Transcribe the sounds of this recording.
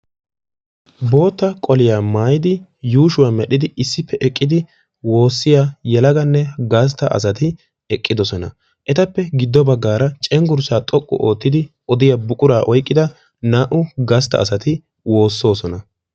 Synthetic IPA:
bo̞ːt̪ːɐkʼɔlɪjaːmaːjɪd̪ɪjuːʃʊwaːmɛɗɪd̪ɪɪsːɪpːɛʔɛkʼːɪd̪ɪ | wo̞ːsːɪjajɛlɐɡɐnːɛɡas̬t̪ːɐʔɐ̰s̬ɐt̪ɪ | ɛkʼːɪd̪ɔsɔnɐ | ʔɛt̪ɐpːɛɡɪd̪ːɔbɐɡːaːɾɐt͡ʃʼɛŋɡʊɾsaːt̪ʼɔkʼːʊ̰ʔo̞ːt̪ːɪd̪ɪ | ɔd̪ɪjabʊkʼʊɾaːʔɔjkʼːɪd̪ɐ | naːʔʊɡɐst̪ːɐ̰ːsɐt̪ɪ | wo̞ːsːo̞ːsɔnɐ

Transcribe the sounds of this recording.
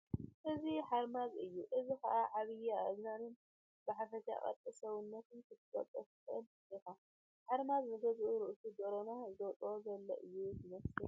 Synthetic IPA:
ʔɨziħaɾmazɨjːuʔɨzikɐʔaʕaβɨjaɨznanɨn | bɨħafɐt̪a̰χʼɐ̰t̪ʼɨsɐwɨnːɐt̪ɨnkʰɨt̪ʰɨkʼɐ̰t̪ʼːɐft̪ʼɨn | ijka | ħaɾmaznɐt̪ʰɐzʔuɾɨʔsʰud̪oɾonazɨd̪ɐwt̪ʼozɐlːɐ̰ʔɨjːuzɨnɐsɨ

